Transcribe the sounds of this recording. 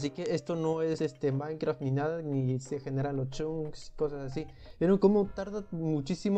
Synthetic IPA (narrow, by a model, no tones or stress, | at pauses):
s̬ike̞est̪ono̞e̞se̞st̪emãjŋkɾaft̪ninaðanise̞xe̞ne̞ɾanlost͡ʃuŋksko̞sasasi | benokomot̪aɾðamut͡ʃisim